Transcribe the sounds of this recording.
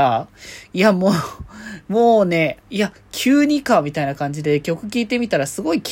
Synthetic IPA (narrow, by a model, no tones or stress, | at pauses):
aiamoːmo̞ːne̞ia | kʲʰɨːɲ̟ikamʲit̪ainakãɲ̟d͡ʑid̪e̞kʲo̞kɯ̟kʲiːt̪e̞mʲit̪aɾasɨɡo̞ikʲ